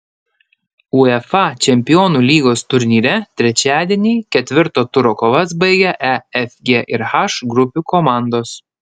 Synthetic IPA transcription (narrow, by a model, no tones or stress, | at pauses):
uɛfɑt͡ʃʲɛmʲpʲɪjoːnuːlʲiːɡoːst̪ʊɾʲnʲiːɾʲɛt̪ʲɾʲɛt͡ʃʲæːd̪ʲiɛnʲiːkʲɛt̪ʲʋʲɪɾt̪oːt̪ʊɾoːkoːʋɐs̬bɐɪɡʲɛʔɛɛfʲɡʲeʔɪɾxɑʃɡɾʊpʲukɔmɑˑnd̪oːs